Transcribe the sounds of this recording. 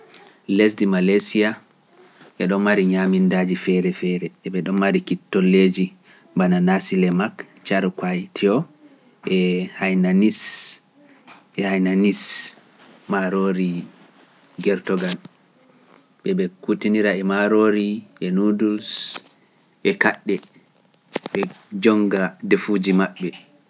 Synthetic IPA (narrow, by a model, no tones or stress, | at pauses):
lesdimalasia | ʔɛɗɔmmaɾiɲamindad͡ʒifɛɾɛfɛɾɛːɓɛɗɔmːaɾikitːɔlːed͡ʒi | bananasilɛmakt͡ʃaɾkwajtʰiɔ | ʔɛhajnanis | ɛhajnanis | maɾoɾi | ɡɛɾtɔɡal | ɓɛɓɛkutiniɾaɛmaɾoɾiʔɛnuduls | ʔɛkaɗːɛ | ɓɛd͡ʒɔŋɡadefud͡ʒimaɓːɛ